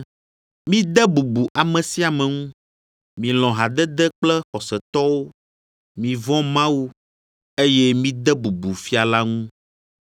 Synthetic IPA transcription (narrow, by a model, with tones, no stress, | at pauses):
mĩ˦d̪ɛ˦bu˨bu˨ʔa˨mɛ̃˨si˦a˨mɛ̃˨ŋũ˦ | mĩ˨l̃ɔ̃˨ɦa˨d̪ɛ˦d̪ɛ˦k͡plɛ˦xɔ˨sɛ˨t̪ɔ˦wo˦ | mĩ˨vɔ̃˦mã˦wu˦ | e˦je˦mĩ˦d̪ɛ˦bu˨bu˨fi˦a˨la˦ŋũ˦